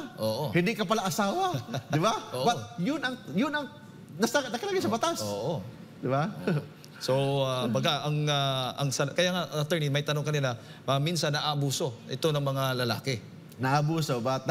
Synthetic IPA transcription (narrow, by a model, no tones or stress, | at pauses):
ʔoːʔohɪnd̪ikɐpɐlaʔɐsaːwɐdɪbaʔoːʔbɐt̚jʊnɐŋjʊnɐŋ | nɐsanɐkɐlaɡajsɐbɐt̪asoːʔo | d̪ɪba | soambɐɡaʔɐŋaʔɐŋsɐlkɐjaŋaʔɐɐt̪ɛɹnimɐjt̪ɐno̞ŋkɐninɐ | mɐminsanːɐʔaʔːbuːso̞ʔɪt̪o̞nɐŋmɐŋalɐla̰ːkɛ | nɐɐbuːsobat̪̚n